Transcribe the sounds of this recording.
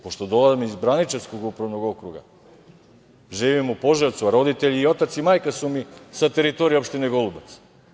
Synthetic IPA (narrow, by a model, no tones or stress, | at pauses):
poʃt̪od̪olˠazamizbɾanit͡ʃeskoɡupɾaʋnoɡo̞kɾuɡa̰ | ʒiʋimupoʒaɾt̪suaɾo̞d̪it̪eʎiːo̞t̪at̪simaːjkasumisat̪eɾit̪oɾijopʃt̪ineɡolˠubat̪s